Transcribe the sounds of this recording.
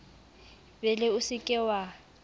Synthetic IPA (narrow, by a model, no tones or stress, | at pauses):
bɛlɪʊsɪkʼɛwa